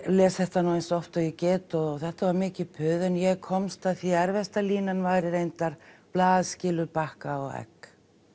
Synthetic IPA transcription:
lɛːsθɛht̪anuwejnsɔft̪aɪcɛːt̪ɔθɛht̪avaɾmɪːcɪpʰʏðɛnjɛɣkʰɔmst̪aðθiɛɾvɛst̪aliːnanvaːjɾɪɾejnt̪aɾ̥plaːðscɪːlʏɾpahkaɔɣɛ̰k

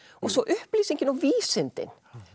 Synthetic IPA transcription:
ɔsɔʔʏhpliːsɪŋkɪnɔviːsɪnt̪ɪ̰n

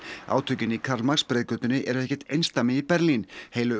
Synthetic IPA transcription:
a̰ːwt̪ʰœɥcɪnikʰaɾlmakspɾɛːðkœːt̪ʏnɪʔɛɾɛhcɛ̥t̪ejnst̪amɪipɛɾlinheːjlʏ

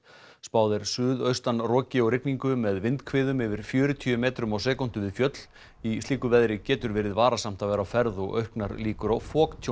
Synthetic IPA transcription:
spaːwðɪɾ̥sʏːðœɥst̪anrɔːcɪɔɣɾɪkniŋkʏmɛðvɪnt̪kʰvɪːðʏmɪvɪɾ̥fjœːɾʏt̪ʰyːʏmɛːt̪ɾʏmawsɛːkɔn̥t̪ʏvɪðfjœt̪l̥ | isliːkʏvɛðɾɪcɛːt̪ʏɾvɛːɾɪðvaːɾasam̥t̪aðvɛːɾawfɛɾðɔɣœ̰ɥhknaɾliːkʏɾawfɔːkt̪ʰ

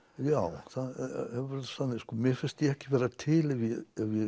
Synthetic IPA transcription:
jawθaðhɛvɛɾɪsanːɪskɔːmjɛɾfɪnst̪jiɛhcɪvɛːɾat̪ʰɪlɛvjɛɛvjɛ

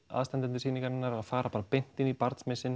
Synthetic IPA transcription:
a̰ːðst̪ɛnt̪ɪnt̪ɪsiːniŋkaɾɪnːaɾaðfaːɾapaːɾpɪn̥t̪ɪnipaɾt̪smɪsɪn

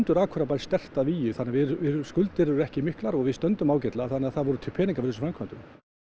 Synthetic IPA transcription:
nt̪ʏɾaːkʰɔɾapaɾst̪ɛl̥t̪aðviːjʏθanːɪavɪɾvɪɾskʏlt̪ɪɾɛɾʏɛhcɪmɪhklaɾɔɣvɪðst̪œnt̪ʏmawcɛt̪laθanːɪaθaðvɔɾʏt̪ʰɪlpʰɛːniŋkafʏɾsʏfɾɛmkʰant̪ʏm

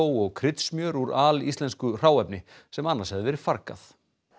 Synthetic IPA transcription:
wɔɣkʰɾɪt̪smjœːɾuɾaːlist̪lɛnskʏr̥aːwɛpnɪ | sɛmanːaɾ̥sɛvðɪvɛːɾɪ̥faɾka̰θ

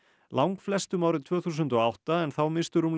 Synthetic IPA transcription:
lʔawŋkflɛst̪ʏmaːwɾɪt̪ʰvœːθusʏnt̪ɔawht̪aɛnθawmɪst̪ʏɾum

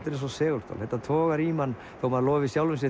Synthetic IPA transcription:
t̪ɪɾɛns̬ɔsɛːɣʏlst̪a̰lθɛt̪ːat̪ʰɔːɣaɾimanː | θowmaðalɔːvɪsjawlʏms̬ɛ

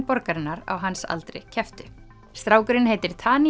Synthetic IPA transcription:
pɔɾkaɾɪnːaɾa̰wɦansa̰lt̪ɾɪ̰cʰɛft̪ʏ | st̪ɾaːwkʏɾɪnɦeːjt̪ɪɾ̥t̪ʰaːni

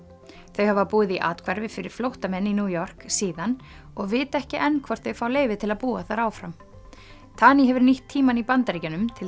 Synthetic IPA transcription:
θœɥhavapuːðɪðiʔa̰ːt̪kʰvaɾvɪfɪɾɪɾ̥flowht̪amɛnːinjuːjɔr̥ksiːðan | ɔɣvɪːt̪ɛhcɪʔɛnːkʰvɔr̥t̪θœɥfaːwleːjvɪt̪ʰɪlaðpuːaθaɾaːwfɾam | t̪ʰaːniɦɛvʏɾniht̪ʰːiːmanipant̪aɾicanʏmt̪ʰɪl

